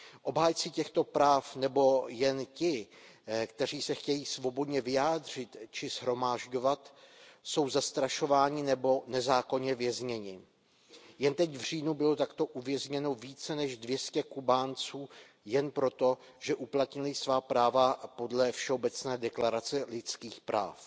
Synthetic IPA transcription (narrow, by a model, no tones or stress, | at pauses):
ʔo̞bɦaːjt͡sicɛxt̪o̞pɾaːfnɛbo̞jɛncɪ | kt̪ɛr̝iːsɛxcɛjiːsvo̞bo̞dɲɛvɪjaːd̪r̝ɪt̪t͡ʃɪsɦɾo̞maːʒɟo̞vat̪so̞wzast̪ɾaʃo̞vaːɲɪnɛbo̞nɛzaːko̞ɲɛvjɛzɲɛɲɪ | jɛnt̪ɛcvr̝iːnubɪlo̞t̪akt̪o̞ʔuvjɛzɲɛno̞viːt͡sɛnɛʒdvjɛscɛkubaːnt͡suː | jɛnpɾo̞t̪o̞ | ʒɛʔuplat̪ɲɪlɪsvaːpɾaːvapo̞dlɛfʃɛo̞bɛt͡snɛːdɛklaɾat͡sɛlɪt͡skiːxpɾa̰ːf